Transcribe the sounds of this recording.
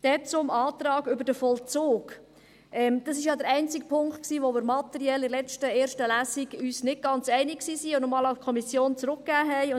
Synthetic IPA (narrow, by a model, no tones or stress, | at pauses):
d̥ɛt͡sʊmɑːt̪ɾɑːɡʏbəɾd̥əfɔlt͡soːɡ̥ | ʔɛmd̥ɑs̬ɪʃjɑd̪əɾɛɪnt͡sɪkpʰʊŋktksiːʋomɪɾmɑt̪əɾiɛlɪlɛt͡stəeːɾʃtəlæsiɡyːsnɪd̚ɡ̥ɑnt͡sɛɪnɪksiːsiːʊnɔmɑːlaʊfkʰɔmisjoːnt͡sɾʊkːæːɦɛɪ